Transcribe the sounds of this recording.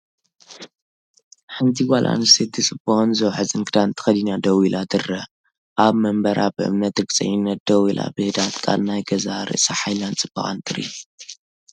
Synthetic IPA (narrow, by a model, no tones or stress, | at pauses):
ħɨnt̪ʰiwʷalʔa̰nsed̪ɨt͡sʼɨbɐxnzɨwħɨzɨnkʰɨd̪ant̪ʰɨ̥xɐlinad̪ɐwilʔad̪ɨrɐ | ʔaβmɐmbɐɾʔabɨʔɨ̰mnɐt̪ɾɨɡt͡sʼɐ̰jɪnːɐt̪̚d̪ɐwilʔa̰bɨhɨd̪at̪kʼa̰lnajɡɐzaɾɨ̰ʔsaħajlant͡sʼɨb̥ɐχʼa̰nt̪ʰɨɾḭ